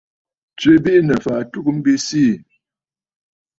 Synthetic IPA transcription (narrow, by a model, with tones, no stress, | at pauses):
t͡sɥe˦bi˦nə˨fa˨tu˦km̩˦bi˦si˦˨